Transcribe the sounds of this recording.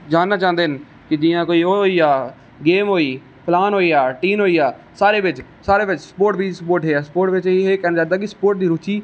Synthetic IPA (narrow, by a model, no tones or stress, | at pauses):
d͡ʒaːnːaːt͡ʃãːnd̪eːn | kɪd͡ʒĩːãːkoːiːoːoiːaː | ɡeːmɦoːiː | pʰlaːnɦoːiːaːʈiːnɦoːiːaː | saːɾeːʋɪt͡ʃ | saːɾeːʋɪt͡ʃsəpoːʈʋiːsəpoːɾʈɦeːaːsəpoːɾʈʋɪt͡ʃieːkɛːnaːd͡ʒaːnd̪aːk̬ɪsə̥poːɾʈ̚d̪iːɾuːt͡ʃiː